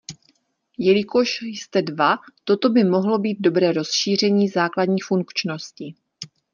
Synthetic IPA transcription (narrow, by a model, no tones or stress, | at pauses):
jɛlɪko̞ʃjst̪ɛdvat̪o̞t̪o̞bɪmo̞ɦlo̞biːd̪̚do̞bɾɛːɾo̞sʃiːr̝ɛɲiːzaːkladɲiːfuŋkt͡ʃno̞scɪ